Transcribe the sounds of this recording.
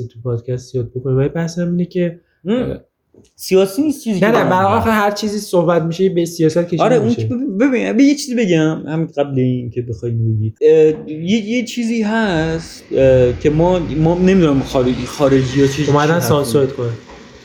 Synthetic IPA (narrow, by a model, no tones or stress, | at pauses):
it̪ʰupʰɒːd̪̥̚cʰæst̪zijɒːd̪̚bokonevælibæhshæmiːnecʰe | sijɒːsiːniːstt͡ʃʰiːziːcnæenæbæɾhɑlxæhæɾt͡ʃʰiːziːsohbæt̪miʃeebesijɒːsæt̪̚kʰʲeʃːɾeuneebebiæ̰bejet͡ʃʰiːzibe̞ɟæmhæminɢæbleiːincʰe̞bexɒːjimbeɟid̪jejet͡ʃʰiːziːɦæst̪cʰe̞mɒːmɒːne̞mid̪unamxɒɾexɒːɾe̞d͡ʒiːjɒt͡ʃʰeomæd̪ænsɒnsoɾt̪kʰone